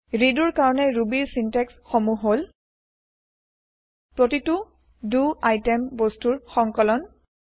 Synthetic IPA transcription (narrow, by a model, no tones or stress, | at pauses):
ɹiduɹkaɹɔnɛɹubiɹsintɛksxomuɦol | pɹotitu | duajtɛmbostuɹxɔŋkɔlɔn